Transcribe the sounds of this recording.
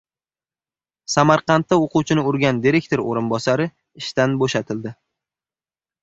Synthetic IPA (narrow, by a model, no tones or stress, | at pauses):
samaɾqɑnt̪ːaoqʊwt͡ʃʰɪnɪʊɾɡʲand̪iɾe̞k̚ʲt̪ʰo̞ɾo̰ɾɪnbɒsaɾɪ | ɪʃt̪anboʃat̪ʰɪld̪ɪ